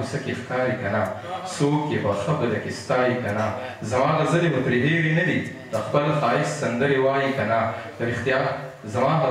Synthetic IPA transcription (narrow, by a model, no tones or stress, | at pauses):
usəkexkɑɾikanasokjepəxabəd̪akest̪ɑjikanazamɑd̪azəlemʊt̪ɾeɦeɽenad̪i | d̪əxpəlxɑɦɪssand̪əɾewɑjikanad̪̥əɾɪxt̪ijɑːt̪ | zamɑɦa